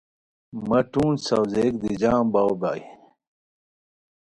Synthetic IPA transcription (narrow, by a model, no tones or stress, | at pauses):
mɐʈũːnsɐwzek̚d̪id͡ʑaːmbawbaːj